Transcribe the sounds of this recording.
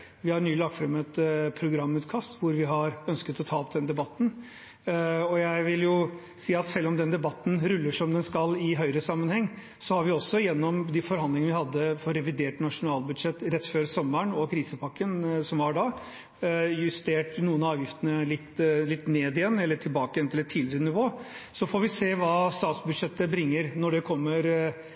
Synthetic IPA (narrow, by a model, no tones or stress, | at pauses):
ʋɪhɑɾnyːlɑk̚t̪fɾɑmɛt̪pʰɾʊɡɾɑmːʉːt̪kʰɑst̪ʋʊɾʋɪɦɑɾœnskət̪ɔt̪ʰɑːɔp̚d̪ɛnd̪ɛbɑt̪ːn̩ | ɔjæɪʋɪljʊ | siːɑt̪sɛlːɔmd̪ɛnd̪ɛbɑt̪ːn̩ɾʉlːəʂɔmd̪ɛnskɑlɪɦœʏɾəsɑmːənhɛŋː | sɔhɑɾʋɪɔsːɔjɛnːɔmd̪ɪfɔɾhɑnd̪ɪŋənʋɪhɑd̪ːəfɔɾɛʋɪd̪eːʈnɑʂʊnɑːlbʉd̪ʂɛt̪ːɾɛt̪ːføːɾsɔmːəɳɔkʰɾiːsəpʰɑkːənsɔmʋɑɖɑː | jʉst̪eːʈnuːənɑɑːʋjɪft̪ənəlɪt̪ːlɪt̪ːneːd̪ɪjɛnːɛlːəʈʰɪlbɑːkəɛnɛlːət̪ʰiːd̪lɪɾənɪʋoːsɔfɔɾʋɪseːʋɑːst̪ɑːt̪sbʉd̪ʂɛt̪ːəbɾɪŋːəɾnɔɖɛkʰɔmːəɾ